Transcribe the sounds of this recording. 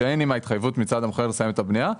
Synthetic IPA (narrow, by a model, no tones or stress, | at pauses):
eejnimait̪χajvut̪mit͡sad̪amoχeʁlesajemet̪abnija